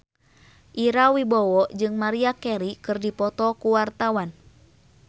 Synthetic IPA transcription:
ʔiɾawibɔwɔd͡ʒɨŋmaɾiakɛɾikɨrdipɔt̪ɔkuwart̪awan

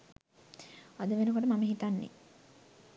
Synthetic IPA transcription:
ad̪əʋenukoʈəmaməɦit̪anːḛ

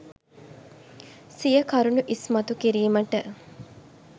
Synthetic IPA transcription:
sijəkɐɾunuʔismɐt̪ukiɾiːməʈə

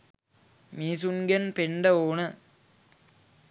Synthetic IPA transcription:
miːsuŋɡɐnpeɳɖɐoːnɐ

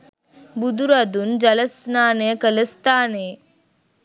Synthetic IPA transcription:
bud̪uɾad̪und͡ʑɐləsnaːnekələst̪aːne

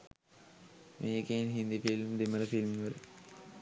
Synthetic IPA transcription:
mʔeːkenɦind̪ifilmd̪emələfilmʋələ

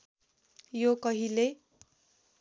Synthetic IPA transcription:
jokʌɦile

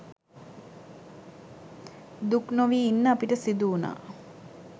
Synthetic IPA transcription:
d̪uknoʋiːinːəapiʈəsid̪uːna̰ː

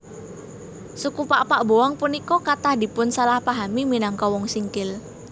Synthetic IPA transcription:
sukupaʔpaʔbowaŋpunikɔkat̪ahd̪i̤pʊnsalahpaɦamiminaŋkɔwɔŋsiŋkɪl

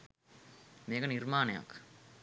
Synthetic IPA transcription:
meːkɐnirmaːnɐja̰kː

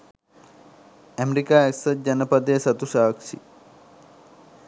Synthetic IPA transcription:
ɛmeɾikaːeksɐt̪̚d͡ʑɐnɐpɐd̪esɐt̪usaːkʂḭ

